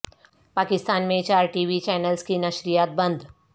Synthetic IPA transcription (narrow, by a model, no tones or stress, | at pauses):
paːkɪst̪aːnmẽt͡ʃaːɾʈiːʋit͡ʃɛːnəlskinɐʃɾijaːt̪̚bɐ̃nd̪